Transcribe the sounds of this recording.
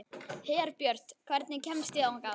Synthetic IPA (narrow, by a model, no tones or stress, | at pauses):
hɛːaɾpjœɾ̥t̪kʰv̥ɛɾt̪nɪcʰɛmst̪ɪaũŋka